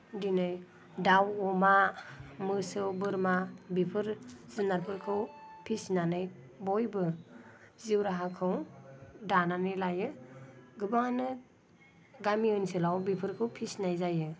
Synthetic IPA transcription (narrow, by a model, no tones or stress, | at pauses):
dinɯj | dawɔmamɯsɯwbɯɾmabipʰɯɾzɯnaɾpʰɯɾkʰɯwpʰisnanɯj | bɔjbɯ | ziwɾaɦakʰɯwdananɯjlajɯɡɯbaŋanɯ | ɡamiɯnsɯlawbipʰɯɾkʰɯwpʰisnajzajɯ